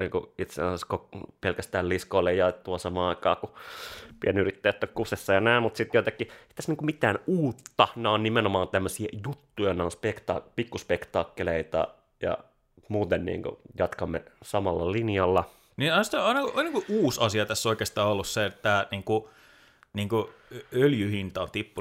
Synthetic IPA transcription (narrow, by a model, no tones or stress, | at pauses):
nḭːŋkuit̪sḛɑnsɑskokpelkæst̪æːlliskoilːejjɑett̪ːuɑsɑmɑːɑikɑ̰ːkupienyrit̪ːæjæt̪ːokkːusesːɑjɑnæimmut̪sit̪joit̪ɑkːiei̥t̪æsniːŋkumit̪æːnuːt̪ːɑnæonnimenomɑːnt̪æmːøsiejut̪ːujɑneonspekt̪ɑ̰pikːuspekt̪ɑːkːeleit̪ɑ̰ | jɑ̰ | muːt̪ennḭːŋkṵjɑt̪kɑmːḛsɑmɑlːɑlinjɑlːɑ | niɑst̪æɑinɑkoiniːŋkuʔuːsɑsiɑt̪æsːoikeːst̪ɑːolːusset̪tːæniːŋku | niːŋku | øljyhint̪ɑnt̪ipːu